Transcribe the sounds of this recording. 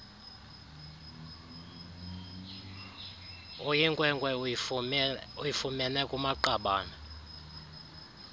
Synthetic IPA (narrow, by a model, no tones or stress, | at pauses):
ojiŋkʼwɛŋɡwɛ | ujifumɛnɛkʼumaǃaɓaːna